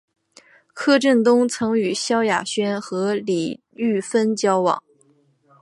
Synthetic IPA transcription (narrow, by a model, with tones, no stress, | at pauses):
kʰɤ˥˧ʈ͡ʂə˥˩nt̪ʊ˥ŋt͡sʰɤ˧˥ŋy˨˩ɕjɑ˥ʊja̰˨˩ɕɥɛ˥nxɤ˧˥li˨˩ | y˥˩fə˥nt͡ɕjɑ˥ʊwɑ̰˨˩˦ŋ